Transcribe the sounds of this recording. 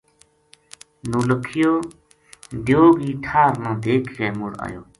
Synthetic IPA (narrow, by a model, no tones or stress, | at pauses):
nuːləkʰɪjoː | d̪joːɡiːʈʰaːɾnãːd̪eːkʰkeːmuɽa̰jo̰ː